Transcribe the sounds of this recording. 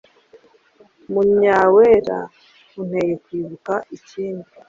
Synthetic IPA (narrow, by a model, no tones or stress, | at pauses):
muɲaweɾa̰ | un̥heːjekwiːβukaʔiciːndi